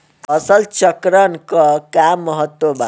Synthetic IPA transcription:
ʌsəlt͡ʃəkɾənkʌkamːəɦət̪woba

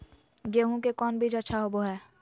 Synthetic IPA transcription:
ɡeːɦũkekɔːnbʱid͡ʒɐtːʃʰaɦoboɦɛː

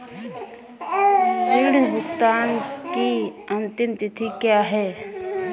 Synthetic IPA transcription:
ɾɪɽɾʊkt̪aːnki | ənt̪ɪmt̪ɪt̪ʰikjaːɦɛː

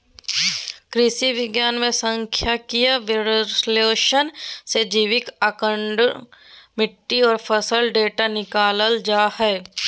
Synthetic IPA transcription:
kɾɪʃiʋɪɡjaːnmẽsə̃ŋkʰjakijaʋɪɾsleːʃənsed͡ʒiːʋɪkakə̃ɳɖ | mɪʈːiɔːɾpʰəsəlɖeːʈanɪkaːləld͡ʒaːhɛː

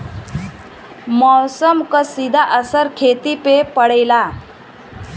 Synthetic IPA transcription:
mɔsəmkəsid̪ʱaʔəsəɾkʰet̪ipepəɽejla

